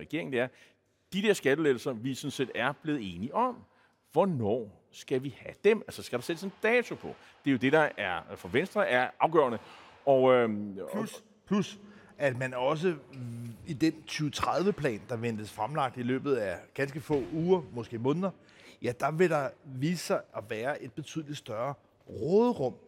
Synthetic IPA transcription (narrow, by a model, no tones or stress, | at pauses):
ʁɛɡ̥e̝ɐ̰eŋ̩d̥eæɐ | d̥id̥eɐsɡ̥æd̥əlel̩sɐʋisɔ̽nse̝̰ːd̥æɐb̥le̝ːð̩ˠe̝ːniʔɒ̽m | ʋɒnɒ̰ː | sɡ̥æʋihæd̥emælsɐsɡ̥æɾ̥ɑ̈sed̥əsend̥ɛːt͡sʰo̝pʰɒ̽ | d̥e̝jo̝d̥e̝ɾ̥ɑ̈æɐfɒ̽ʋensd̥ʁɐæɐʔɑ̈ʊɡ̥ɶ̰ɐnəɒøus | pʰlus | æd̥mænɒ̽s̬ə | id̥ent͡sʰyːʊt͡sʰʁaðˠʋəpʰlɛ̰ːnd̥ɑ̈ʋend̥əsfʁamlɑ̈ɡ̥̚d̥ilø̰ːb̥ð̞̩ˠæɡ̥ænsɡ̥əfɔ̰ːuːɐmɔ̽sɡ̥e̝̰ːmɔ̽ːnð̞ˠɐ | jæd̥ɑ̈ʋe̝ɾ̥ɑ̈ʋḭːsɐʔɒ̽ʋæːɐʔe̝d̥̚b̥e̝t͡sʰy̰ðˠlid̥sd̥ɶɐ | ʁɔːðˠʁɔ̽m̰